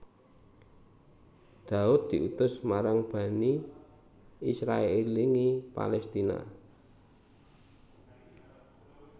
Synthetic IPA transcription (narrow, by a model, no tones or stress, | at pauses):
d̪̥a̤ʊt̪̚d̪̥i̤ʔut̪ʊsmaɾaŋb̥ä̤ni | isɾaeeliŋipa̰lɛst̪ina̰